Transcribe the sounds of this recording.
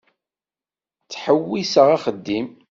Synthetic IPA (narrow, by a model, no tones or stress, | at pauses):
t͡sːħəwːisəʁaχəd̪ːim